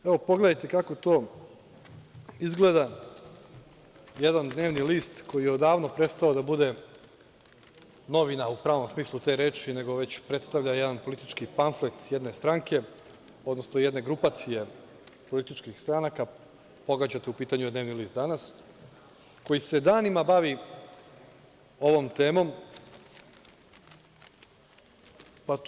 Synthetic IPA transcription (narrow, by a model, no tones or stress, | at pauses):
e̞ʋo̞po̞ɡle̞d̪ajt̪e̞kako̞t̪o̞ː | izɡle̞d̪a | jed̪and̪ne̞ːʋniliːst̪ko̞jijeod̪aːʋno̞pɾe̞t̪st̪aod̪abud̪e̞ | no̞ʋinaupɾaːʋo̞msmiːslˠut̪e̞ɾe̞ːt͡ʃine̞ɡo̞ʋe̞t͡ɕpɾe̞t̪st̪aʋʎajed̪anpo̞lit̪it͡ʃkipaɱflet̪jed̪ne̞st̪ɾaŋke̞ | od̪no̞snojed̪ne̞ɡɾupat̪sije̞ | po̞lit̪it͡ʃkixst̪ɾanaka | po̞ɡad͡ʑat̪eupiːt̪aɲued̪ne̞ːʋniliːst̪d̪anas | ko̞jise̞d̪aːnimabaʋi | o̞ʋo̞mt̪e̞ːmo̞m | pa